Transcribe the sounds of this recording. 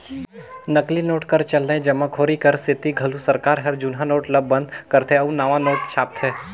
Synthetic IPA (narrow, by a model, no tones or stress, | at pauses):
nɐklinoːʈkəɾt͡ʃɐlnəẽd͡ʒɐmãkʰoːɾikəɾsɪt̪iɡʱɐlusɐɾkaːɾɦɛɾd͡ʒʊnɦãnoːʈləbːə̃nd̪kəɾt̪ʰeɐũnaʋãnoːʈ̚t͡ʃʰaːp̚t̪ʰɛː